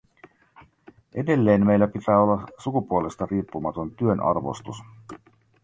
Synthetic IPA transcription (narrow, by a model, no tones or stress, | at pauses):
ʔe̞de̞lːe̞ːnmme̞jlːæpit̪æːo̞lːɑsukupuole̞st̪ɑriːpːumɑt̪o̞nt̪yønʔɑ̰rʋo̰st̪us